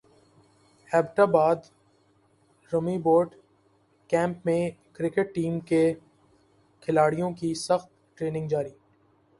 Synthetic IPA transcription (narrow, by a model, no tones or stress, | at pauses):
hɛːbʈabaːd̪ | ɾʊmiboːɾɖ | kɛ̃ːmpmẽkɾɪkeʈ̚ːiːmke | kʰɪlaːɽijõkisɐxt̪ʈɾeːnɪ̃ŋɡd͡ʒaːɾiː